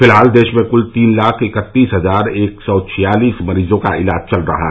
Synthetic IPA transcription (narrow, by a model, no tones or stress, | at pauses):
fɪlɦaːld̪eːʃmẽkʊlt̪iːnlaːkʰɪkət̪ːiːsɦəzaːɾeːksɔt͡ʃʰijaːliːsməɾiːzõka̰ɪlaːd͡ʒt͡ʃɐlɾɐ̰ɦa̰ɦ